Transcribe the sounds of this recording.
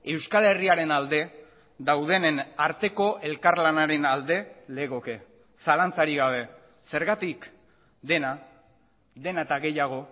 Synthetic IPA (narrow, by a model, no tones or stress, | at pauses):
e̞wskale̞riaɾe̞nald̪e̞ | d̪awð̞e̞nenaɾt̪e̞ko̞ʔe̞lkaɾlanaɾe̞nald̪e̞le̞ɣ̞o̞ke̞ | salant͡saɾiɣaβ̞e̞ | se̞ɾɣat̪ik | d̪e̞na | d̪e̞naet̪aɣe̞jaɣ̞o̞